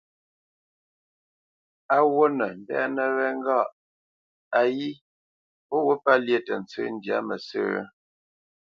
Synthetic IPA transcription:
a˨wo˦nə˨n̩˨bɛ̰˦nə˨ɾɛ˦ŋ̩˦ɡa˦˨ʔ | a˨ji˦ | pɔ˦wu˦pa˦lje˦˨tə˨n̩˨˦t͡sə̰˦n̩˦dja̰˦mə˨sə̰ː˦

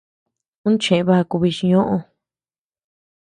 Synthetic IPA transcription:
nũ˦t͡ʃẽ˨˧βa˦˧ku˧βi˧ʃi˧ɲõ˦ʔõ˧

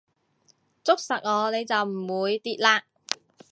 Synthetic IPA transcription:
t͡sʊ˥k̚sɐ˨˩k̚ŋɔː˨˧ne˨˧jt͡sɐ˨wm̩˨˩wuː˨˧jt̪iː˨˧t̚laː˧

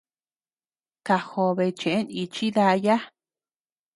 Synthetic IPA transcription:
ka˧ho˧βe˧t͡ʃẽ˨ʔe˦ni˧t͡ʃi˦ða˧ja˦

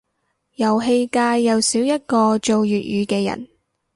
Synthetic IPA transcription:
jɐ˨˩wɦe˧jkaː˧jːɐ˨wsiː˨˥wjɐ˥t̚kɔː˧t͡ʃo˨˧wjyː˨t̚jyː˨˧kɛː˧jɐ̰˨˩n

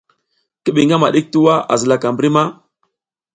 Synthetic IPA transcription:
kə˦ɓi˨ŋɡa˦ma˨ɗi˦k̚tu˦wa˦a̰˨zə˨la˦˨ka˨mbɾi˦ma˦

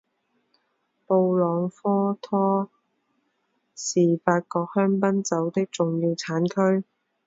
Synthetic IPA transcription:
po˧wlɔː˨˧ŋfɔː˥t̪ʰɔː˥ | siː˨˩faː˧t̚kɔː˧k̚hœː˥ŋpɐ˥nt͡sɐ˨˥wt̪ɪ˥k̚t͡sʊ˨ŋjiː˧wt͡sʰaː˨˥nkʰɵ˥ɥ

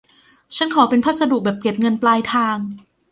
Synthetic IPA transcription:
t͡ɕʰa˦˥nkʰɔː˩˦pe˧npʰaː˦˥˩t̪̚sa˧du˨˩k̚bɛː˨˩p̚ke˨˩p̚ŋɤ˧nplaː˧jt̪ʰaː˧ŋ

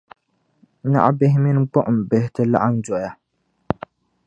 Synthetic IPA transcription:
na̰˦ʔa˦bɛ˦ɦɪ˦mi˦n˦ɡ͡bɔ˦ʔʊ˨m̩˨bɛ˦hɪ˦tɨ˦la̰˦ʔa˦nd͡ʒɔ˨ja˨

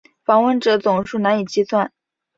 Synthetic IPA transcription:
fɑ˨˩ŋwə˥˩nʈ͡ʂɤ˨˧˥t͡sʊ˨˩ŋʂu˥˩na˧˥ni˨˩t͡ɕi˥swa˥˩n

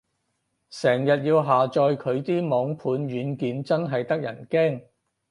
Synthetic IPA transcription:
sɛː˨˩ŋjɐ˨t̚jiː˧wɦaː˨t͡ʃɔː˧jkʰɵ˨˧ɥt̪iː˥mɔː˨˧ŋpʰuː˨˧˥nɥyː˨˧˥nkiː˨nt͡sɐ˥nɦɐ˨jt̪ɐ˥k̚jɐ̰˨˩nkɛː˥˩ŋ

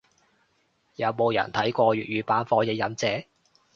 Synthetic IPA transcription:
jɐ˨˧˥wmo˨˧wjɐ̰˨˩nt̪ʰɐ˨˥jkʷɔː˧ɥyː˨t̚ɥyː˨˧paː˨˥nfɔː˧je˨˧jɐ˨˥mt͡sɛː˨˥

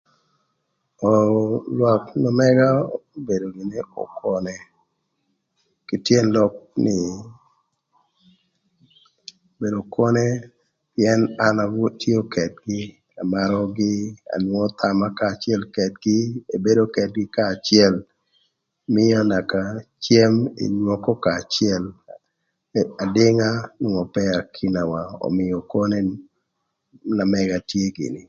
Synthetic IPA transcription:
ɔ˨lwɔ˨knɔ˨mɛ˦ɡa˦o˦be˨do˨ŋi˨ne˦o̰˨kʰɔ˨nɛ˨ | ki˨tje˦nlɔ˦k̚nɪ˨ | o˨be˨do˨kɔ˦nɛ˦ | pjɛ˦na˦na˨wɔ˦tjo˦kɛ˨tɡɪ˦ | a˨ma˨ɾɔ˦ɡɪ˦a̰˨nwɔ˦t̪ʰa˨ma˦kaː˦˨t͡ʃjɛ˦lkɛ˨t̚ɡɪ˦e˨be˦do˦kɛ˨t̚ɡɪ˦kaː˦˨t͡ʃɪɛ˦l | mɪ˦a˦na˨ka˨t͡ʃje˦mḛ˨ɲwɔ˦kɔ˦kaː˨t͡ʃɛ˦l | a˨dɪ˦ŋa˦nɔ˨ŋɔ˨pɛa˨kʰi˦na˨wa˨ɔ̰˨mɪ˨jɔ˨kɔ˦ne˦ | na˨mɛ˨ɡa˨tje˦ɡɪ̰˨nɪ˨

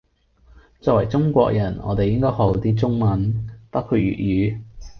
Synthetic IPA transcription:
t͡sɔː˧k̚wɐ˨˩jt͡sʊ˥ŋkʷɔ̰ː˧k̚jɐ˨˩nɔ̰ː˨˧t̪e˨jɪ˥ŋkɔː˥jho˨˧˥wt̪iː˥t͡sʊ˥ŋmɐ˨˧nt̪ɐ˥kʰy˧t̚jy̰ː˨t̚jyː˨˥˧

